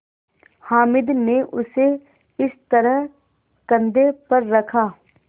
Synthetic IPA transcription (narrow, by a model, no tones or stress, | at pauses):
haːmɪd̪nẽʔʊse | ɪst̪ɐɾəɦ | kɐ̃nd̪epɐɾːɐkʰaː